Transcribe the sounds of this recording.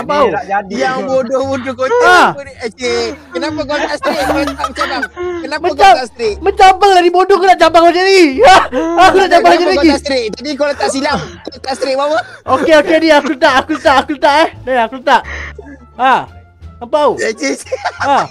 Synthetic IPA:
apawad͡ʒadiabodobodokoaekənapakot̪ast̪ɪkklamt͡ʃalakənamə̃at͡ʃamast̪ɾɪkmət͡ʃampəŋladibodoak̬unaʔt͡ʃambaŋlad͡ʒadiaakunaʔt͡ʃabaŋlad͡ʒaɾaɡist̪ɾɪʔ̚t̪adikalt̪aʔsilakt̪aʔst̪ɾɪk̚bawəokeokediakut̪aʔakut̪aʔakut̪aʔɛhdaakut̪aʔ | a | apaukea

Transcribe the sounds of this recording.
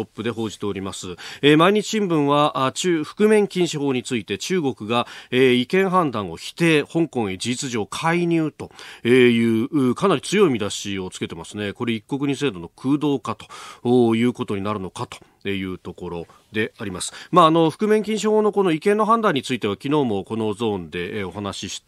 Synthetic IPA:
opːɯ̟d̪e̞ɦo̞ːʑi̥t̪e̞o̞ɾʲimasɨemaiɲ̟it͡ɕi̥ɕĩmbɯ̟̃ɰ̃βaʔat͡ɕɨːɸɯ̟̥kɯ̟mẽ̞ŋkʲĩɰ̃ɕiho̞ːɲ̟it͡sɨit̪e̞t͡ɕɨːɡo̞kɯ̟ɡaeikẽ̞ɰ̃ɦãnd̪ãɰ̃o̞̰çi̥t̪e̞hõ̞ŋkõ̞ɰ̃id͡ʑiit͡sɨʑo̞ːkʰaiɲ̟ɨːt̪o̞ejɯ̟ːɯːkanaɾʲit͡sɨjo̞imʲid̪aɕio̞t͡sɨ̥ke̞t̪e̞masɨne̞ko̞ɾe̞ikːo̞k̬ɯ̟ɲ̟ise̞ːd̪o̞no̞kʰɯ̟ːd̪o̞ːkat̪o̞̥oːjɯ̟ːko̞t̪o̞ɲ̟inaɾɯ̟no̞kat̪o̞̥ | ejɯ̟ːt̪o̞ko̞ɾo̞ | d̪e̞aɾʲimasɨ̥maːno̞ɸɯ̟̥kɯ̟mẽ̞ŋkʲĩɰ̃ɕ̬iho̞ːno̞ko̞no̞ikẽ̞nːo̞ɦãnd̪ãɲ̟ːit͡sɨit̪e̞βakʲino̞ːmo̞ko̞no̞d͡zo̞ːnd̪e̞o̞ɦanaɕiɕi̥

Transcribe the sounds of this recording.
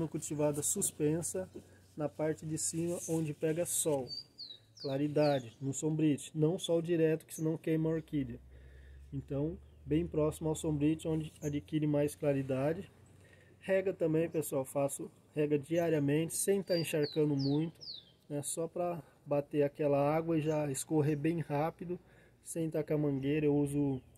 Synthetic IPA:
nɐkuwt͡ʃivad̪ɐsuspẽsɐ | nɐpaɾt͡ʃɪd͡ʒɪsĩmɐʔõnd͡ʒɪpɛɡɐsɔw | klaɾid̪ad͡ʒɪnʊsõmbɾit͡ʃɪ̥nɐ̃w̃sɔwd͡ʒiɾɛt̪ʊ̥kɪ̥sɪnɐ̃w̃kẽj̃mɐoɾkiɾɐ | ẽnt̪ɐ̃w̃bẽj̃pɾɔsimʊawsõbɾit͡ʃɪõd͡ʒɪad͡ʒikiɾɪmajsklaɾid̪ad͡ʒɪ | hɛɡɐt̪ɐ̃mbẽj̃pesʊawfasʊ | hɛɡɐd͡ʒiaɾiɐmẽnt͡ʃɪ̥sẽj̃t̪aẽʃaɾkɐ̃nd̪ʊmũj̃t̪ʊ̥ | nɛsɔpɾɐ | bat̪eakɛlɐaɡwɐɪʒaɪskoɦebẽj̃hapid̪ʊ | sẽj̃t̪akamɐ̃ɡejɾɐewuzʊ

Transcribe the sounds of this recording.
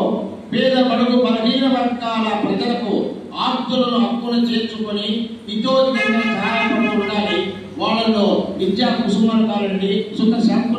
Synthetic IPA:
pɛːd̪ɐbɐɽɐɡupɐlɐd̪iːnɐɾɐŋkaːlɐpɾɐd͡ʒɐlɐku | aːɾt̪ːulɐnuɐkːunɐt͡ʃe̞ːt͡ʃukoni | iʈoːd̪ikɐːɡɐnɐkaːɾaːpɐnɐːuɳɽaːli | ʋaːɭːɐloːʋid͡ʒ̪jaːk̪ɐkusumaːnɐk̪aːɾɐɳɖisukːɐɾʃaːku

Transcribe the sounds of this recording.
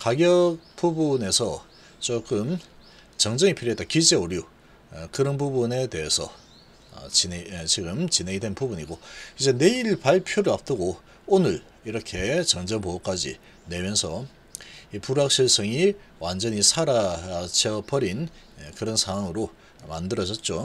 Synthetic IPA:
kaɡjʌk̚p͈ubune̞sʰʌ | t͡ɕok͈ɯm | t͡ɕʌŋd͡ʑʌŋipʰiɾjoetakid͡ʑeoɾju | kɯɾʌnpubune̞te̞esʰʌ̰ | t͡ɕit͡ɕiɡɯmt͡ɕineŋidwe̞npubuɲiɡoid͡ʑe̞ne̞iɭpaɭpʰjoɾɯap̚t͈ɯɡo | onɯɭ | iɾʌkʰe̞t͡ɕʌŋd͡ʑʌnpoʌk͈ad͡ʑḭ | ne̞mjʌnsʰʌ | ipuɾak̚ɕ͈ʰiɭs͈ʌŋiwand͡ʑʌɲisʰaɾat͡ɕʰʌpʌɾin | kɯɾʌnsʰaŋwaŋɯɾo | mandɯɾʌd͡ʑʌt̚t͡ɕ͈o

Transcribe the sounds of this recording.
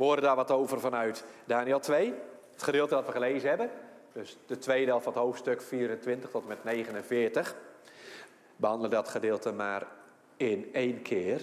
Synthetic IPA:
ʋəoːdədaːʋɔtowvərvɔnœɥtdaːniəlˠtʰʋej | ətχədɪːlˠtədɔtʋəχəleːzənɦɛbəndøsdətʰʋejdɪlˠfɑnəthoːwftstøkfiːəɾəntʋɪntəχtʰɔtəmɛtneːɣənənvɪːrtəx | bəhɑndəlˠədɔtχədɪːlˠtəmaːr | ɪneːnkʰɪər

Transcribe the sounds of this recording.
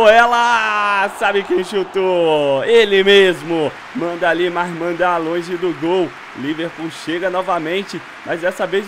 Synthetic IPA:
ɛlɐsabɪkẽj̃ʃut̪oelɪmezmʊ | mɐ̃nd̪ɐalimazmɐ̃nd̪alõʒɪd̪ʊɡow | liveɾpuwʃeɡɐnɔvɐmẽnt͡ʃɪ | mɐzd̪ɛsɐvez

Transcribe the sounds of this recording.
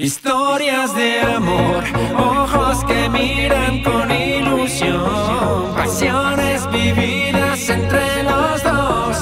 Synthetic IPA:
ist̪oɾjazðeamoɾoxoskemiɾaŋkonilusjonpasjonezβiβi | ðasent̪ɾelozðos

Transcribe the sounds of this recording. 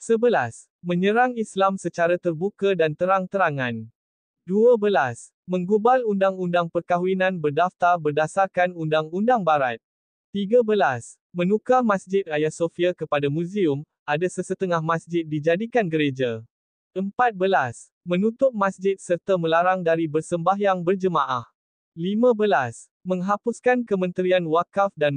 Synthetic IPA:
səbəlas | mə̃ɲə̃ɾaŋislamsət͡ʃaɾat̪ərbukadant̪əɾaŋt̪əɾaŋãn | duabəlas | mə̃ŋɡubalundaŋundaŋpərkaɦwinãnbərdaft̪arbərdasarkanundaŋundaŋbaɾat̪̚ | t̪iɡabəlas | mə̃nũkamãsd͡ʒɪt̪̚ajasofiakəpadamũziʊm | ʔadasəsət̪əŋahmãsd͡ʒɪt̪̚did͡ʒadikanɡəɾed͡ʒa | ʔəmpat̪̚bəlas | mə̃nut̪ʊp̚mãsd͡ʒɪt̪̚sərt̪aməlaɾaŋdaɾibərsəmbaɦjaŋbərd͡ʒəmãʔah | limãbəlas | mə̃ŋɦapʊskankəmə̃nt̪ɾianwakafdan

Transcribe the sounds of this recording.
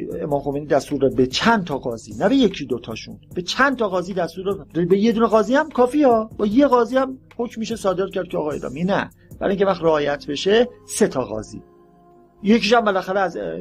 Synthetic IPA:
ḛmɒːmxomejniːd̪æst̪uːɾdɛbet͡ʃʰænt̪ʰɒːɣɒːzḭːnæbejecʰid̪ot̪ʰɒ̰ːʃṵnb̥et͡ʃʰænt̪ʰɒɣɒːziːd̪æst̪uːɾdɛdbeje̞d̪uːneɣɒːziːhæmkʰɒːfiːɒːb̥ɒːje̞ɣɒːziːæmhocmiːʃesɒːd̪eɾ̚cʰæɾd̪̚cʰeɒ̰ːɣɒːjḛd̪ɒ̰ːminæ | b̥æɾ̰ːiŋʲkʰʲcevæxt̪iɾeɒːjæt̪ʰbe̞ʃese̞t̪ʰɒːɣɒ̰ːzḭː | je̞ciːʃæmbelæxæɾeæz

